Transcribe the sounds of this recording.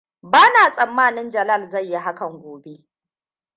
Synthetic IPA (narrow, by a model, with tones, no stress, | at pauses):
baː˦naː˨sʼɐ˨mːaː˦nɪ˦nd͡ʒɐ˨la˦˨lza˦˨jːi˦ɦa˦kɐ˨ŋɡʷoː˨be˦ʔ